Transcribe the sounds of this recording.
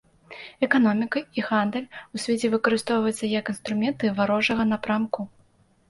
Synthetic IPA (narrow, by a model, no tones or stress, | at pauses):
ɛkanɔmʲikɐiɣand̪əlʲusʲvʲet͡sʲɛvɨkɐɾɨst̪ɔwvɐjt͡sʲːɐjɛkinst̪ɾumʲɛnt̪ɨvaɾɔʐɐɣɐnapɾamku